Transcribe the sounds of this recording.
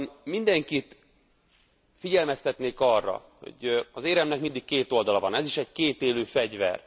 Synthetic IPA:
nmind̪ɛŋkit̪ | fiɟɛlmɛst̪ɛt̪neːkɒrːɒ̰ | ho̞̰ɟɒzeːɾɛmnɛkmind̪ikkeːt̪o̞ld̪ɒlɒvɒnɛziʃɛɟkeːt̪eːløːfɛɟvɛ̰r

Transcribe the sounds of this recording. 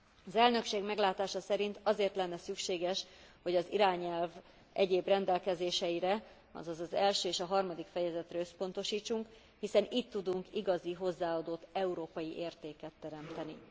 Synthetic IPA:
ɒzɛlnø̞kʃeːɡmɛɡlaːt̪aːʃɒsɛɾint̪ɒzeːrt̪lɛnːɛsykʃeːɡɛʃho̞ɟɒziɾaːɲɛlv | ɛɟeːbrɛnd̪ɛlkɛzeːʃɛjiɾɛ | ɒ̰zɒzɒzɛlʃøːeːʃɒɦɒrmɒd̪ikfɛjɛzɛt̪rɛøspo̞nt̪o̞ʃiːt͡ʃːuŋk | hisɛnit̪ːud̪uŋkiɡɒziɦo̞zːaːɒd̪o̞t̪ːɛuɾoːpɒjiʔeːrt̪eːkɛt̪ːɛɾɛmt̪ɛni

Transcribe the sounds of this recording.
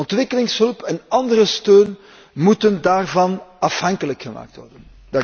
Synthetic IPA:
ɔntʋɪkəlɪŋsɦɵlpɛnɑndərəstøːn | mutəndaːrvɑnɑfhɑŋkələkxəma̰ːk̚tʋɔ̰rdən | dɑ

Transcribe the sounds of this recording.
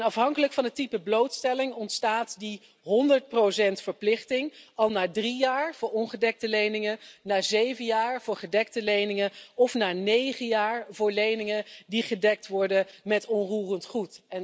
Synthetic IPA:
nɑfɦɑŋkələkfɑnətipəblowtstɛlɪŋɔntstaːtdi | ɦɔndəɹt̚prosɛntfəɹplɪχtɪŋɑlˠnaːdrijaːɹv̥ʊːɹɔnχədɛk̚təlejnɪŋənaːzejvənjaːɹv̥ʊːɹχədɛk̚təlejnɪŋəɔfnaːnejχəjaːɹvʊːɹlejnɪŋədiχədɛk̚tʋɔɹdəmɛtɔnruːrəntχutɛn

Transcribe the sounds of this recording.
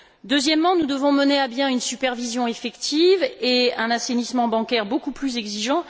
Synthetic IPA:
d̪øzjɛmːɑ̃nud̪əvɔ̃məneabjɛ̃ynsypɛʁvizjɔ̃efɛkt̪ʰiveɛ̃nasenismɑ̃bɑ̃kʲɛʁbokuplyzɛɡziʒɑ̃

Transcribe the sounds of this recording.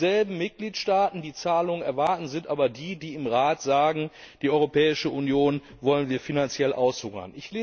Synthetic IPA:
zɛlbm̩mɪt̚ɡ̥liːtʃtaːtn̩diːt͡saːlʊŋənɛɐvaɐtn̩zɪntʔaːbɐdiːdiːɪmʁaːtz̥aːɡŋ̩ | d̥iːʔɔʏʁopɛːɪʃəʔunjoːn | vɔlənviːɐfinant͡sjɛlʔaʊshʊŋɐ̰nʔɪçleː

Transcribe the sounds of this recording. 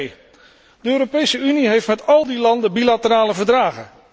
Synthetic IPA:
j | d̥əøːɾopejsəyniɦejftmɛtɑlˠdilɑndəbilatəɾaːləvəɹdraːχən

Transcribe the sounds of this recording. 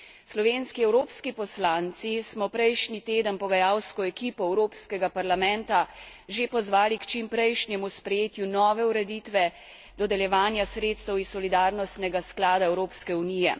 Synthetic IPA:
slɔʋeːnskiɛwɾoːpskipɔslant̪sismɔpɾɛjʃnit̪eːd̪ənpɔɡajawskɔɛkiːpɔɛwɾoːpskɛɡapaɾlamɛ̃nt̪a | ʒepɔzʋaːlikt͡ʃimpɾɛjʃnjɛmuspɾɛjeːt̪junɔːʋɛuɾɛd̪it̪ʋɛ | d̪ɔd̪ɛljɛʋaːnjasɾeːt̪st̪əwisːɔlid̪aːɾnɔst̪nɛɡasklaːd̪aɛwɾoːpskɛunijɛ̰

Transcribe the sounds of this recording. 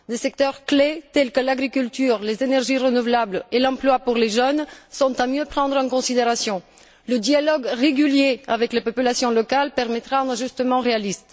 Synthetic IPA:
d̪esɛkt̪œʁklet̪ɛlkəlaɡʁikylt̪yʁlezenɛʁʒiʁənuvlablelɑ̃plwapuʁleʒœnsɔ̃t̪amjøpχɑ̃d̪ʁɑ̃kɔ̃sid̪eʁasjɔ̃ | ləd̪ialɔɡʁeɡyljeavɛklepɔpylasjɔ̃lɔkalpɛʁmɛt̪ʁãʒyst̪əmɑ̃ʁealist̪

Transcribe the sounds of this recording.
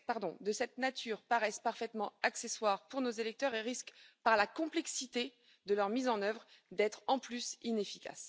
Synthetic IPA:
paʁd̪ɔ̃d̪əsɛt̪̚nat̪ʰyʁpaʁɛspaʁfɛt̪mɑ̃akseswaʁpuʁnozelɛk̚t̪œʁeʁiskpaʁlakɔ̃plɛksit̪e | d̪əlœʁmizɑ̃nœvʁd̪ɛt̪χɑ̃plysinefikʲa̰s

